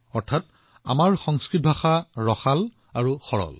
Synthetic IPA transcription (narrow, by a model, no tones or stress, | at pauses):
ɔɹtʰat | a̰maɹxɔŋskɹit̚bʱaxaɹɔxal | aɹuxɔɹɔ̰l